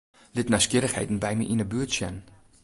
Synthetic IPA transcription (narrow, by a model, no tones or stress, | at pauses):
lɪtnaskiəɾəχhḛjtn̩bɛjmə̰ʔinəbyətsjɛn